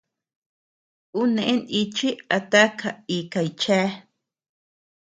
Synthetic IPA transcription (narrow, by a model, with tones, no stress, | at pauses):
u˦neʔe˦ni˧t͡ʃi˦a˨t̪a˦kʰa˨ikajt͡ʃa˦